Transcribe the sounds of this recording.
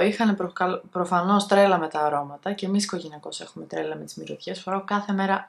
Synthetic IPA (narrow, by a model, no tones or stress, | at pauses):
ixɐneɾokɐlpɾofɐno̞st̪ɾe̞lɐme̞t̪ɐːɾo̞mɐt̪ɐce̞misi̥ko̞ʝe̞niɐko̞se̞xume̞t̪ɾe̞lɐme̞t̪i̥zmiɾoðç̥esfoɾɐkɐθe̞me̞ɾɐ